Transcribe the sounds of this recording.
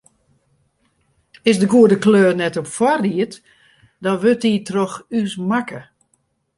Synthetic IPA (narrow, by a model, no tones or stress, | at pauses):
ɪsdəɡuədəkløːrnɛtopfwariət | dɔnʋøtitroxysmakə